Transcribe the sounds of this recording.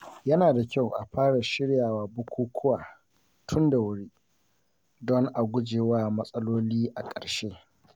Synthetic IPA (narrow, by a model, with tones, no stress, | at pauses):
jɐ˦naː˨da˨kʲa˦˨wʔa̰˨ɸaː˦ɽa˨ʃɪ˦ɽjaː˨waː˨bʊ˦kʷuː˦kʷʰʊ˦waː˨ | tʰʊ˦nda˨wʊ˦ɽiː˦ | dɔ˦ŋʔa˨ɡʷʊ˦d͡ʒeː˨waː˦mɐ˦sʼɐ˦loː˦liː˦ʔa˨kʼɐ̰˨ɽʃeː˦